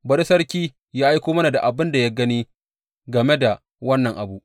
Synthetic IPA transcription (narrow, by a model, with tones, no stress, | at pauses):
bɐ˦ɽɪ˦sɐ˦ɾkʲiː˦ | jaː˦ʔa˦jkʷoː˦mɐ˦na˨da̰˨ʔa˨bɪ˦nda˨ja˦ɡɐ˦niː˦ | ɡɐ˨me˦da˨ | wɐ˦nːɐ˨ŋʔa˨bu˦ʔ